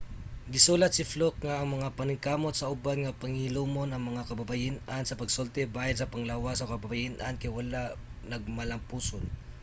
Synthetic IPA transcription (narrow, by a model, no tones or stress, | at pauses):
ɡɪsuːlɐt̪̚sɪflok̚ŋaʔːŋmɐŋapɐnɪŋkaːmot̪sɐʊbanŋɐpɐŋilumonɐŋmɐŋakɐbɐbɐjɪnansɐpɐɡsolt̪ɛbaːjalsɐpɐŋlawasɐkɐbɐbajɪnʔɐnkɐjwɐlanɐɡ̚mɐlɐmpuːson